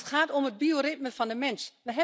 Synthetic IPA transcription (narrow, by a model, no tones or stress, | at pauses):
tχaːtɔməd̚bioɾɪt̚məfɔndəmɛnsʋəɦɛ